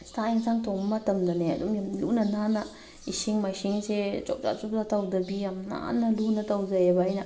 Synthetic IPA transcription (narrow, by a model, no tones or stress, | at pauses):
st̪aiŋsaŋt̪omːat̪amd̪anea̰dumjamlṵnanana | isiŋmaiʃiŋset͡ʃɔ̰p̚t͡ʃa̰t͡ʃup̚zat̪awd̪abiamna̰nalunat̪awzajebajna